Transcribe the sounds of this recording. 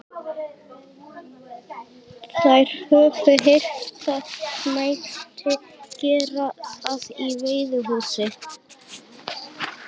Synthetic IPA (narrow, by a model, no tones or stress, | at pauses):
θajɾ̥hœːvʏɦejr̥t̪aðmaːjt̪ʏ | cɛːɾasaðivejðʏɦuːsɪ